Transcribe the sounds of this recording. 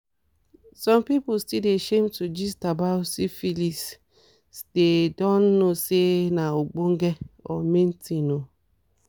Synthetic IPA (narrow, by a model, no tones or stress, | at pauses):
sɔ̃mpipʊstideʃemtud͡ʒistabaʊsifilis | stedɔn̩nosenaoɡ͡boŋ̩ɡeɔ̰men̩tino